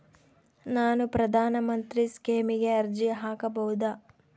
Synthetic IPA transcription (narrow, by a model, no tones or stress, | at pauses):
naːnupɾɐd̪ʱaːnɐmɐnt̪ɾiskeːmiɡe̞ɐɾd͡ʒiɦaːkɐbɐɦud̪aː